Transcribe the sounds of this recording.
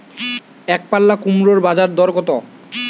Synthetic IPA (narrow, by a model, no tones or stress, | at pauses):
ɛk̚palːakumɾoɾbad͡ʑaɾd̪ɔɾkɔt̪o